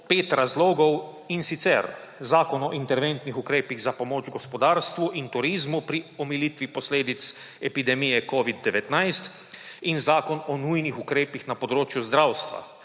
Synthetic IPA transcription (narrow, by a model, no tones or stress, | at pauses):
peːt̪ɾazloːɡɔw | insit̪sɛ̰ɾ | zaːkɔnɔʔint̪ɛɾʋɛnt̪nixukɾeːpiɣzapɔmoːd͡ʒɡɔspɔd̪aːɾst̪ʋuʔint̪uɾiːzmupɾiɔmiliːt̪ʋipɔsleːd̪it̪s | ɛpid̪ɛmijɛkɔːʋid̪̚ːɛʋɛt̪najst̪ | inzaːkɔnɔnujnixukɾeːpixnapɔd̪ɾoːt͡ʃjuzd̪ɾawst̪ʋa̰